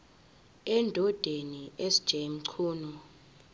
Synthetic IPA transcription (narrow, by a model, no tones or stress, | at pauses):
ɛndʱɔd̥ʱeniesid̥ʒ̥ʱem̩ǀʰuːnɔ